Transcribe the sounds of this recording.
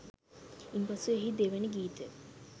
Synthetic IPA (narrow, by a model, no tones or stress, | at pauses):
inpasueɦid̪eʋenəɡiːt̪ə̰